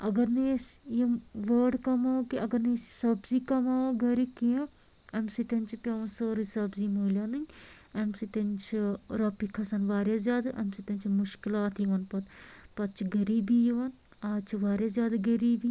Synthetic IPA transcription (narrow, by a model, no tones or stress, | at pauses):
ɐɡɐɾnesjeʋəːɖkɐmaːokiɐɡɐɾnissɐbziːkɐmaːɡɐɾikijã | ɐmsit̪ɐnʲt͡ʃʰipʲjaːʋɐnsəːɾisɐbziːmuːlʲjaːnɨɲ | ɐmsit̪ɐnt͡ʃʰiɾɐpikʰːɐsɐnʋaːɾʲjazjaːd̪aʔɐmsit̪ɐnʲt͡ʃʰimʊʃkɪlaːt̪ʰjiʋɐnpɐt̪pɐt̪̚t͡ʃʰiɡɐɾiːbiːjiʋɐn | aːt͡ʃʰiʋaːɾjazjaːd̪aɡɐɾiːbi